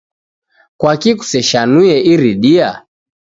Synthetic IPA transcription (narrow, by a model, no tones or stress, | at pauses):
kwakiku̥sɛʃanujɛʔiɾiɗia̰